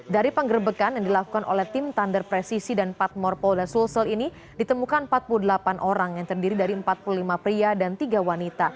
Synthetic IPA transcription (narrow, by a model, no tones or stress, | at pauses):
daɾipəŋɡərbəkanjaŋdilaku̥kanʔo̰lɛht̪imt̪andərpɾɛsisidanpat̪̚mɔrpɔlasulsəlini | dit̪əmukanəmpat̪̚puludəlapanʔoɾaŋjaŋt̪ərdiɾidaɾiəmpat̪̚pululimapɾiadant̪iɡawanit̪a